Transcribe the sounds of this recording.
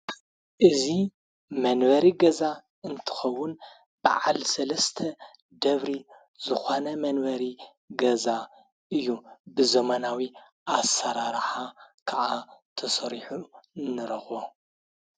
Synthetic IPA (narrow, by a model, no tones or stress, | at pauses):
ʔɨzi | mɐnbɐɾiɡɐza | ɨnt̪ʰɨ̥xɐwːʊn | b̥a̰ʕalsɐlɐst̪ʰɐ | d̪ɐβɾi | zɨxonɐmɐnbɐɾi | ɡɐza | ʔɨjːubɨzɐmɐnawi | ʔasɐɾaɾħakʰaʔat̪ʰɐsɐɾiħunɨɾɐxo